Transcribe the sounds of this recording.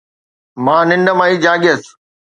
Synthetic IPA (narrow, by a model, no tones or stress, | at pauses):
mãːnɪ̃nɖəmãːiːd͡ʑaːɠes